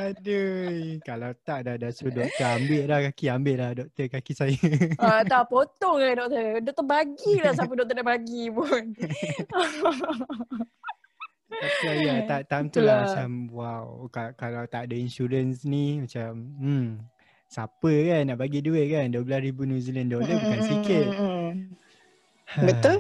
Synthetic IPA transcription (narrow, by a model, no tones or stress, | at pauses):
adəkalawt̪aʔdadasodɔk̚t̪əambɪʔlahkakiambɪʔlahdɔk̚t̪əkakisajəaapot̪ɔŋladɔk̚t̪ədɔʔ̚k̚t̪əbaɡilas̬ap̬ədɔk̚t̪ədabaɡipun | asulajaaʔt̪amt̪ulamat͡ʃamwawkakalawt̪aʔdəinʃuɾənsnimat͡ʃam̩ | sapəkanːaʔbaɡiduɪʔ̪̚kanduəblasɾibunjuziləndoləbukansikɪt̪̚ | bət̪ul